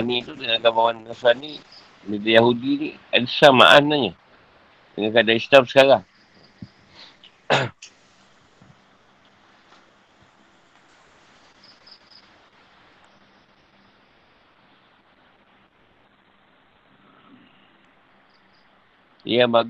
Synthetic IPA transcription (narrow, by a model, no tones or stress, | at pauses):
anit̪udəŋaaɡamawanːasani | midajaɦudiniadisama̰ʔat̪naɲa | dəŋankadaislamsə̥kaɾaŋ | ḭjama